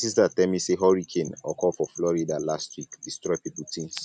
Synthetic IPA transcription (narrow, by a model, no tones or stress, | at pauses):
sistatɛmiseɦɔɹikʰẽnɔkʰɔlfɔflɔɹidalastwikdistɹɔɪpiputĩns